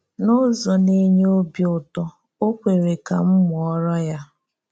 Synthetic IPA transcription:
nʊ˦zɔ˨ne˦ɲ˦o˦bjʊ˨tɔ˦ | o˦kʷe˨ɾe˨ka̰˨m̩˦mʊ˨ɔ˦ɾɔ˦ja˦

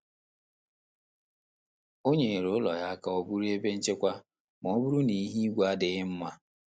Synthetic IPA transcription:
o˦ɲe˨ɾo˨˦lɔ̰˨ja˦a˦ka˦ɔ˦bu˦ɾi˦e˦be˦n̩˦t͡ʃe˦kʷa˦ | m˨ɔ˨˦bʊ˦ɾu˦ni˨i˦ɦi˦i˦ɡʷa˦dɪ˦ɣɪ˦m̩˦ma˦

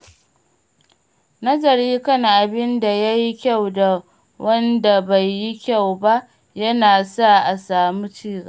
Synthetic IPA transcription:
nɐ˦zɐ˨ɾiː˦kɐ˦n˨ʔa˨bɪ˦nda˨ja˦ji˦kʲa˦˨wda˨ | wʔɐ˦nda˨ba˨jːi˦kʲa˦˨wba˦ʔ | jɐ˦naː˨sa˦˨ʔa˨saː˨mu˦t͡ʃiː˦˨ɾa˨

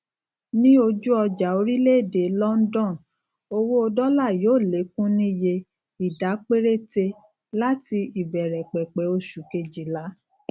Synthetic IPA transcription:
nĩ˦o˧d͡ʒu˦ɔ˧d͡ʒa˨o˧ɾi˦le˦˨de˨˦lɔ˦n̩˦dɔ̃˦˨n | o˧wo˦o˧dɔ˦la˦˨joː˦˨le˨˦kũ˦nĩ˦je˧ | i˨da˨˦k͡pe˦ɾe˦te˧ | la˦ti˧i˨bɛ˨ɾɛ˨k͡pɛ˨k͡pɛ˨˦o˧ʃu˨ke˧d͡ʒi˨la˨˦

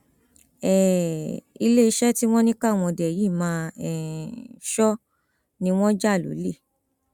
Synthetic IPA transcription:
ɛ˨ | i˧le˦i˧ʃɛ˦ti˦w̃ɔ̃˦nĩ˦ka˦˨w̃ɔ̃˧˨dɛ˨ji˦˨mãː˨˦ɛ˨ʃɔ˦ | nĩ˧w̃ɔ̃˦d͡ʒa˦˨lo̰˨˦le˦˨

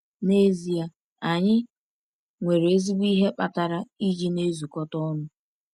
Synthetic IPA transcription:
ne˦zi˨a˨ | a˨ɲɪ˦ | ŋʷe˨ɾe˦zi˦ɡ͡bi˦ɦe˦k͡pa˨ta˨ɾa˦i˦d͡ʒi˦ne˦zu˨kɔ˦tɔ˦nʊ˦

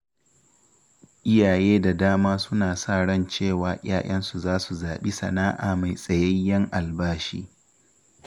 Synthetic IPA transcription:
ʔɪ˦jaː˨jeː˦da˨daː˦maː˦sʊ˦naː˨sa˦˨ɽɐ˦˨nt͡ʃeː˦˨waː˨ʔa̰ː˦ʔɐ˦nsu˨zaː˦su˨zaː˨ɓi˦sɐ̰˨naː˦ʔaː˨ma˨jsʼɐ˨jɐ˦jjːɐ˦ŋʔa˨lbaː˦ʃḭː˦

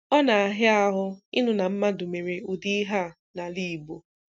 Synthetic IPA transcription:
ɔ˦na˨a˨ɦɪ˦a˦ɦʊ˦ɪ˦nʊ˦na˨m̩˦ma˦dʊ˨me˨ɾe˨u˨di˦ɦa˦˨ | na˨li˦˨bo˨

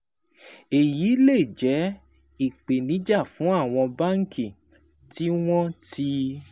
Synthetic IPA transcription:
e˨ji˨˦le˦˨d͡ʒɛ˨˦ | i˦˨k͡pe˨nĩ˨˦d͡ʒa˦˨fũ˨˦a˦˨w̃ɔ̃˧ba˦˨ŋ̩˦kʰi˦˨ | ti˨˦w̃ɔ̃˦tʰi˧

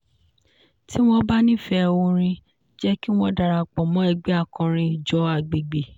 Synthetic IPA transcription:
ti˦w̃ɔ̃˦ba˦nĩ˦fɛ˦˧wo˧ɾ̃ĩ˧ | d͡ʒɛ˦ki˦w̃ɔ̃˦da˧ɾa˧k͡pɔ˨mɔ̃˨˦ɛ˧ɡ͡bɛ˦a˦˨kɔ̃˨˧ɾ̃ĩ˧˨d͡ʒɔ˨˦a˨ɡ͡be˨ɡ͡be˨

